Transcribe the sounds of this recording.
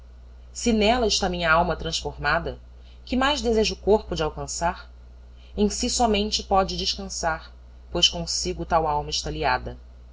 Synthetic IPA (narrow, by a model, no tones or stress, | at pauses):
sɪnɛlɐɪʃt̪amĩɲɐawmɐt̪ɾɐ̃ʃfoɾmad̪ɐ | kɪmajʒd̪ezeʒʊːkoɾpʊd͡ʒɪawkɐ̃saɾ | ẽj̃sisɔmẽnt͡ʃɪpɔd͡ʒɪd͡ʒɪʃkɐ̃saɾ | pojʃkõsiɡʊt̪awawmɐɪʃt̪aliad̪ɐ